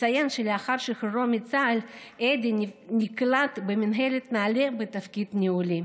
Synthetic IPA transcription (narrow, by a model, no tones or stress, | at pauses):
t͡sajanʃeleaχaɾʃixɾomit͡saled̪iniklat̪beminɦelet̪naːlebet̪afkid̪niuli